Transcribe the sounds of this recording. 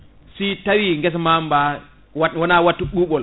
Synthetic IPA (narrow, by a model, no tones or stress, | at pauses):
sitawiŋɡɛs̬amamba | wawɔnawatːuɗuːɓɔl